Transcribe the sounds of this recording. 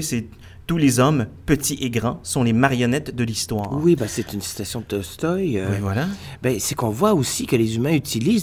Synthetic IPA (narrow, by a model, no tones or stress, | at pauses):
ise | t̪ulezɔmpət̪iʔeɡʁɑ̃sɔ̃lemaʁjɔnɛt̪d̪əlist̪waːʁwibɛsɛt̪ynsi̥t̪asjɔ̃d̪ɔst̪ɔjøwivwalabɛsɛkɔ̃vwaosikəlezymɛ̃yt̪iliz